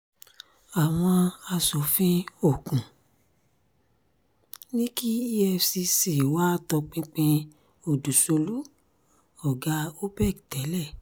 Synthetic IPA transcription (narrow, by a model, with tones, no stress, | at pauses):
a˨w̃ɔ̃˧a˧sɔ˨fĩ˦o˦˨kũ˨ | nĩ˦ki˦i˦ɛ˦˧˨fsi˧si˨wa˦tɔ˧k͡pĩ˧k͡pĩ˧ | o˦˨du˨so˧lu˨˦ | ɔ˨ɡa˧˦o˦bɛ˦˨ktɛ˨˦lɛ˦˨